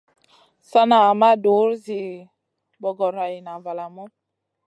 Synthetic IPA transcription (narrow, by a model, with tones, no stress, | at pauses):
sa˦na˨ma˦do˨˦ɾzi˨ | bɔ˨ɡɔ˨ɾa˨i˨na˨va˨la˨mɔ˦